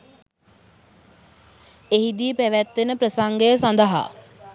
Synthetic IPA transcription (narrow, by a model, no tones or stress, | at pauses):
eɦid̪iəpæʋæt̪ːenəprəsaŋɡəjəsand̪əɦa̰